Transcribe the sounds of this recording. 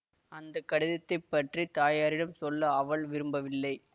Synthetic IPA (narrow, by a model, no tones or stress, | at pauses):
ɐnd̪ɐkːɐɽɪðɐt̪ːɐɪpːɐʈrit̪aːjaːɾɪɽɐmsɔlːɐːʋɐɭʋɪɾɯmbɐʋɪlːɐɪ